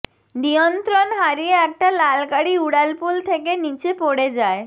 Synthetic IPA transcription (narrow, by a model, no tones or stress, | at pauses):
nijɔnt̪ɾɔnɦaɾijeɛk̚ʈalalkaɽiuɽalpult̪ʰekenit͡ɕepoɽed͡zae